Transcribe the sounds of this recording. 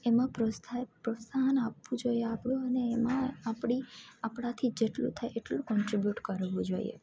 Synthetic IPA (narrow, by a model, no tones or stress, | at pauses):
emãpɾəapɾɔsaɦənapʋũd͡ʒoieapɽũənemãapɽ̃iapɽat̪ʰid͡ʒeʈlṵt̪ʰajeʈlũkɔɳʈɾibjuʈkəɾʋũd͡ʒoḭḛ